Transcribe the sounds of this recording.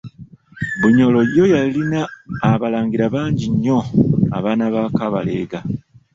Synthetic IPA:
βuɲo̞lo̞jo̞jalinaːβalaːŋɡiɾaβaːɲɟiɲːo̞a̰βaːnaβaːkaβa̰le̞̰ɡa

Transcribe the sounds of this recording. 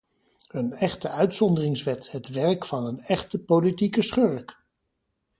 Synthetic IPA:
hɵnɛχtəœɥtsɔndərɪŋsʋɛtɦətʋɛɹkfɑnənɛχtəpolitikəsχøɹk

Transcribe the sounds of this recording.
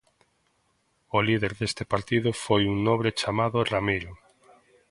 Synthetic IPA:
ʊliðeɾðest̪epaɾt̪iðʊfojuŋnõβɾet͡ʃamaðʊramiɾo

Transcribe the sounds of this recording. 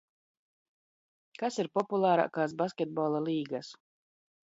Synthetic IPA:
kasiɾpɔpulˠaːɾa̰ːkaːsbaskʲɛt̪̚bɔlˠalˠiːɡas

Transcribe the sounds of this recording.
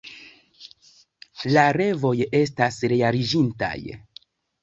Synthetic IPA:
laɾe̞vo̞je̞stasɾeaɾid͡ʒinta̰j

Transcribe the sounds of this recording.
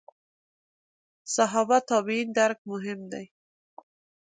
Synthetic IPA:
saɦɑbat̪ɑbiind̪aɾk̚mʊɦɪmd̪aj

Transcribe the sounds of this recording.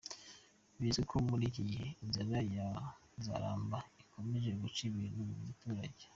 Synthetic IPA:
βizekʰomuɾiciɟiheinzanaja | za̰ɾa̰ːmbaikʰo̞meʒe̞ɡut͡ʃiβinumuβutuɾa̰ɟe

